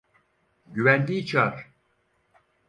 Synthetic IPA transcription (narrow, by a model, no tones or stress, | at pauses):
ɟyvænd̪iːt͡ʃʰaɾ